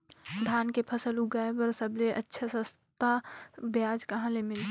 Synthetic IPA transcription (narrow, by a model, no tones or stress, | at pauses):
d̪ʱaːnkepʰɐsəluɡaːebəɾsɐbleʔə̰tːʃʰasə̃st̪abjaːd͡ʒkɐɦãlemɪl